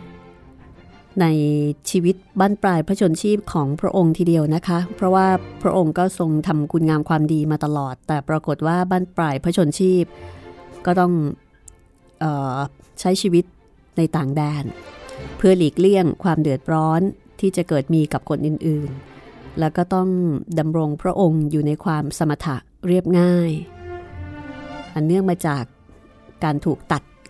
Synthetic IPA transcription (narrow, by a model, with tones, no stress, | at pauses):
na˧jt͡ɕʰiː˧wi˦˥t̪̚baː˥˩npɾaː˧jpʰɾa˦˥t͡ɕʰo˧nt͡ɕʰiː˥˩p̚kʰɔː˩˦ŋpʰɾa˦˥ʔo˧ŋt̪ʰiː˧˩di˧əwna˦˥kʰa˦˥pʰɾɔ˦˥waː˥˩pʰɾa˦˥ʔo˧ŋkɔː˥˩so˧ŋt̪ʰa˧mkʰu˧nŋaː˧mkʰwaː˧mdiː˧maː˧t̪a˧lɔː˨˩t̪ːɛː˨˩pɾaː˧ko˨˩t̪̚waː˥˩baː˥˩npɾaː˧jpʰɾa˦˥t͡ɕʰo˧nt͡ɕʰiː˥˩p̚kɔː˥˩t̪ɔ˥˩ŋ | ʔɤː˨˩ | t͡ɕʰa˦˥jt͡ɕʰiː˧wi˦˥t̪̚ | na˧jt̪aː˨˩ŋdɛː˧npʰɯ˥˩ɐliː˨˩k̚li˥˩əŋkʰwaː˧mdɯ˨˩ət̪̚ɾɔː˦˥n | t̪ʰiː˥˩t͡ɕa˨˩kɤː˨˩t̪̚miː˧ka˨˩p̚kʰo˧nʔɯː˨˩nʔɯː˨˩nlɛː˦˥wkɔː˥˩t̪ɔ˥˩ŋda˧mɾo˧ŋpʰɾa˦˥ʔo˧ŋjuː˨˩na˧jkʰwaː˧msa˧ma˧t̪ʰa˦˩ʔ | ɾi˥˩əp̚ŋaː˥˩j | ʔa˨˩nːɯ˥˩əŋmaː˧t͡ɕaː˨˩kː | aː˧nt̪ʰuː˨˩k̚t̪a˨˩t̪̚